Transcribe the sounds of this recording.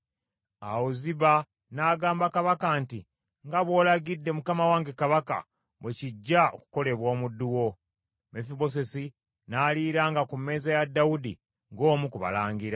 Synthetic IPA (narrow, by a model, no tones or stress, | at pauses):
a̰woziβa | naːɡaːmbakaβakanti | ŋɡaβwo̞ːlaɡidːe̞mukamawaːŋɡekaβaka̰ | βweciɟːao̰ku̥ko̞le̞βwo̞ːmudːuwo̞ | mefiβo̞s̬e̞si | naːliːɾaŋɡakumːe̞ːzajadːawudḭ | ŋɡo̞ːmukuβa̰laːŋɡiɾa